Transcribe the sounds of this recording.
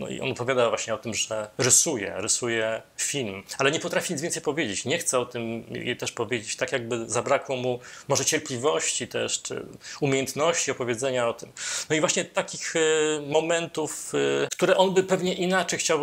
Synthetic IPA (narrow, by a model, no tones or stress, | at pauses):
nɔ̰ḭʔɔ̰nɔpɔvʲjad̪avwaɕɲɛɔt̪ɘmʐɛɾɨsujɛ̰ɾɨsujɛfʲilmalɛɲɛpɔt̪ɾafʲiɲit̪vʲɛnsɛjpɔvʲjed͡ʑet͡ɕɲɛxt̪sɛɔt̪ɘm̰jḛt̪ɛʂpɔvʲjed͡ʑet͡ɕt̪akjaɡ̚bɘzabɾakwɔmumɔʐɛt͡ɕɛɾplʲivɔɕt͡ɕit̪ɛ̰ʂt͡ʂɘ̰umʲjejɛnt̪nɔɕt͡ɕiɔpɔvʲjed̪zɛɲaɔt̪ɘmnɔivwaɕɲɛt̪akʲixmɔmɛnt̪ufkt̪uɾɛʔɔnbɘpɛvɲɛʔinat͡ʂɛjxt͡ɕaw